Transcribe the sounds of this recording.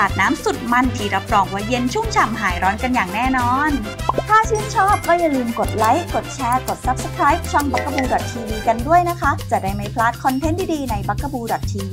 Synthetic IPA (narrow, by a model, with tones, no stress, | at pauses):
aː˨˩t̪̚naː˦˥msu˨˩t̪̚ma˧˩nt̪ʰiː˧˩ɾa˦˥p̚ɾɔː˧ŋwaː˧˩je˧nt͡ɕʰu˥˩ŋt͡ɕʰa˧˩mɦaː˨˩˦jɾɔː˦˥nka˧njaː˨˩ŋnɛː˥˩nɔː˧nt̪ʰaː˥˩t͡ɕʰɯː˥˩nt͡ɕʰɔː˥˩p̚kɔː˥˩ja˧lɯː˧mko˨˩t̪̚la˦˥jko˨˩t̪̚t͡ɕʰɛː˧ko˨˩t̪̚sa˦˥p̚sə̥˧kʰɾaː˦˥jp̚t͡ɕʰɔ˧mba˦˥kːa˧buː˧dɔ˨˩t̪̚ːʰiː˧wiː˧ka˧ndu˥˩əjna˦˥kʰa˦˥t͡ɕ̪a˨˩daː˥˩jma˥˩jpʰlaː˦˥t̪̚kʰɔ˧nt̪ʰe˥nt̪ʰiː˥˩diː˧na˧jba˦˥kʰːa˧buː˧dɔ˨˩t̪ʰːiː˧iː˧